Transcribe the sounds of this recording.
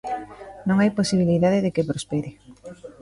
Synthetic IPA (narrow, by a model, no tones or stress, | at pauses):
nõŋajposiβ̞iliðaðɪðekɪpɾospeɾɪ